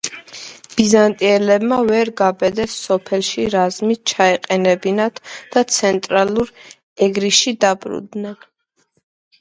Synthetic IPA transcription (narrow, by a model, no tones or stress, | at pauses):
b̥izant̪ʼiɛlɛbmavɛɾɡabɛd̪ɛsːɔpʰɛlʃiɾazmit̪̚t͡ʃʰaɛqʼɛnɛbinat̪ʰd̪̥at̪sʰɛnt̪ʼɾaluɾ | ɛɡɾiʃid̪abɾṵd̪nɛn